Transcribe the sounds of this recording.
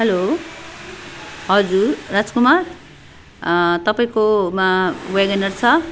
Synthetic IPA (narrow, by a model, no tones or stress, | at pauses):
ɦʌlo | ɦʌd͡zurad͡zkumar | t̪ʌpaĩkomaweɡʌnʌrt͡sʰʌ